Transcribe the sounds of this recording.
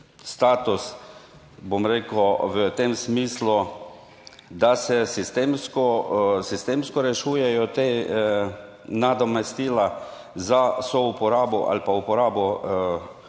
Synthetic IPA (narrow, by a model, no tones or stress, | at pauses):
st̪aːt̪us | bomɾeːkwʋət̪emsmiːslu | d̪asɛsist̪emskɔsist̪eːmskɔɾɛʃuːjɛjɔt̪e | nad̪ɔmɛst̪iːla | zasɔupɔɾaːbɔʔa̰lpaupɔɾaːbɔ